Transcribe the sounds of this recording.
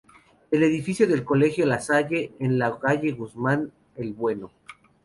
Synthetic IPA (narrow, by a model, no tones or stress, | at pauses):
e̞le̞ðifisjo̞ðe̞lko̞le̞xjolasaʝe̞ːnlakaʝe̞ɣuzman | elβwe̞no̞